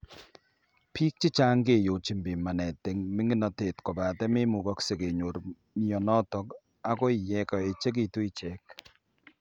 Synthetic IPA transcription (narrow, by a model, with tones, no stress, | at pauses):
pʰi˦k̚t͡ʃɪ˦t͡ʃa˦ŋɡe˨jo˨t͡ʃi˦mbɪ˨ma˨nɛ˨te˨ŋmi˦ŋi˦nɔ˨te˨tkɔ˨ba˨tɛ˦mɪ˦mu˨kɔ˦kse˨ke˨ɲo˨ɾ | ni˦ɔ˨nɔ˦tɔ˨k | a˦kɔ˦ɪ˨jɛ˦kɔ˨e˨t͡ʃe˦k̬i˨tu˦i˦t͡ʃɛ˨k̚